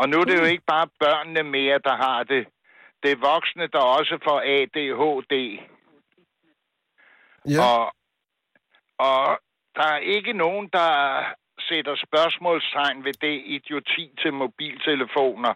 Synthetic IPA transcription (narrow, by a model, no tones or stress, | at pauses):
ɒ̽nuæd̥e̝jo̝e̝ɡ̥əb̥ɑ̈ːb̥ɶɐ̰nːəmeːɐd̥ɑ̈ɦɑ̈d̥e̝ | d̥e̝ʋɒ̽ɡ̥snəd̥ɑ̈ɒ̽səfɒ̽ɛd̥e̝ːɦɔ̰ːd̥e̝̰ː | ɒ̽ | ɒ̽ | d̥ɑ̈æɐʔe̝ɡ̥əno̝ːn̩d̥ɑ̈ | sed̥ɐsb̥ɶɐsmɔ̰ːlst͡sʰɑ̈ɪ̰nʋe̝d̥e̝id̥jo̝t͡sʰḭːt͡sʰe̝lmo̝b̥ḭːlt͡sʰe̝ləfo̝̰ːnɐ